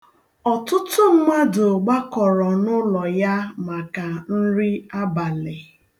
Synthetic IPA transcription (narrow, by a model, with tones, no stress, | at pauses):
ɔ˨tʊ˦tʊ˦ma˦dʊ˨ɡ͡ba˦kɔ˨ɾɔ˨nʊ˦lɔ˨ja˦ma˨ka˨n̩˦ɾi˦a˦ba˨lɪ˨